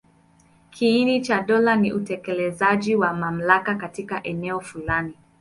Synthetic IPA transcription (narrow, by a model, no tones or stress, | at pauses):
kʰiinit͡ʃaɗɔlaniʔutɛkɛlɛzaʄiwamam̩lakakatikaʔɛnɛɔfulani